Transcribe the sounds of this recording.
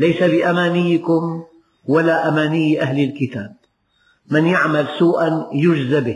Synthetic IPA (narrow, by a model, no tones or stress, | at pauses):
lajsabɪʔamaːnɪjːɪkʊm | walaːʔamaːnɪjːʔahlɪlkɪt̪aːb̚ | mɪnjaʕmalsuːʔanjʊd͡ʒzabɪh